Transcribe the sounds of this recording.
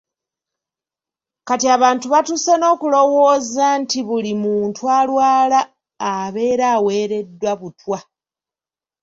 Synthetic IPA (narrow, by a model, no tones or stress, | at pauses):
katiaβaːntuβatuseno̞ːkulo̞wo̞ːzantiβulimuːntwalwaːlaː | βe̞ːɾaːwe̞ːɾe̞dːwaβutwa